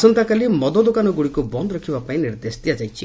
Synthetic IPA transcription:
sɔnt̪akalimɔd̪ɔd̪ɔkanɔɡuɽikubɔnd̪ɔɾɔkʰibapaĩniɾd̪esd̪ijad͡ʒajt͡ʃʰi

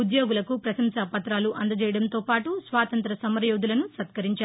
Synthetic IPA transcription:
ud̪joːɡulɐkupɾɐsɐmsɐːpɐt̪ɾaːluʔɐnd̪ɐd͡ʒɛːjɐɽɐnt̪oːpaːʈusʋaːt̪ɐnt̪ɾɐsɐmɐɾjoːd̪ulɐnusɐt̪kɐɾiɲt͡ʃaː

